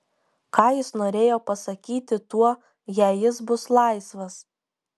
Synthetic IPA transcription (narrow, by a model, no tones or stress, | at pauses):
kɑːjɪsnoːɾʲeːjoːpɐsɐkʲiːt̪ʲɪt̪uɔ | jæːjɪsbʊslˠɑɪsʋɐs